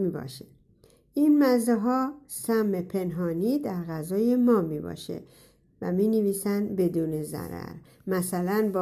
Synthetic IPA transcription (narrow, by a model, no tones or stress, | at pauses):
miːbɒ̰ːʃe | ʔinmæzeɦɒːsæmːepʰe̞nɦɒːniːd̪æɾɣæzɒːjemɒːmiːbɒ̰ːʃḛ | væ̰miːneviːsænbe̞d̪uːne̞zæ̰ɾæ̰ɾ | mæsælænb